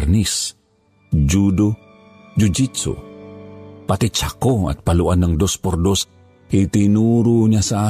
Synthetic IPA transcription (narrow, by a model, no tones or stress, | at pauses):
rnis | d͡ʒudo | d͡ʒud͡ʒisṵ | pat̪it͡ʃakoa̰t̪̚paluanəŋdɔspɔrdɔs | it̪inuɾuɲasa